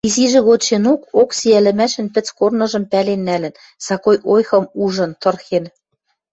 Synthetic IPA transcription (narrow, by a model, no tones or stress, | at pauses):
iziʒɘ̆ɣot̪t͡ɕenokoksijælɘ̆mæʃɘ̆npɘ̆t͡skornɤ̆ʒɤ̆mpælenːælɘ̆n | sɑkojʔojxɤ̆muʒɤ̆nt̪ɤ̆rxen